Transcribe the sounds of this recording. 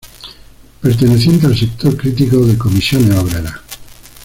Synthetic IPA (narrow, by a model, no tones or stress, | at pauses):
peɾt̪eneθje̞nt̪ealsek̚t̪oɾkɾit̪̬ikoðekomisjoneoβɾeɾa